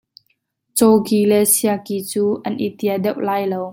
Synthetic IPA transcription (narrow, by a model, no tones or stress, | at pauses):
t͡sɔkiːlɛsiakit͡suːʔɐnʔit̪iadɛwʔlaːjlow